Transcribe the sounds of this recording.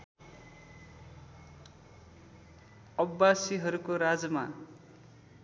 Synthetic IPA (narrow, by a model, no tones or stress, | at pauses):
ʌbːasiɦʌɾukoɾad͡zʌma